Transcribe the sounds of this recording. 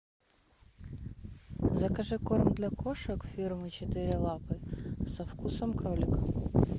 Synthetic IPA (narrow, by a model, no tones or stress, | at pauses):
zɐkɐʐɨkormd̪lʲɐkʰoʂɐkfʲirmɨt͡ɕɪt̪ɪɾʲɪlˠapɨsɐfkusɐmkɾolʲɪkɐ